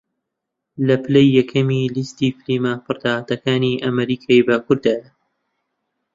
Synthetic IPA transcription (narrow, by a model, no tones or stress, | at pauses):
lɐplejːɐkʰɐmiːlist̪iːfliːmaːfɨɾd̪aːat̪ɐkaːniːʔɐmɐɾiːkʰaːjbakʊɾd̪aːja